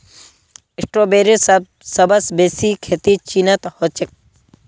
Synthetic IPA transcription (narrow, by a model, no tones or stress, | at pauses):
ɪsʈɾoːbeːɾes | sɐbɐsbeːsikʰeːt̪it͡ʃinɐt̪hot͡ʃek̚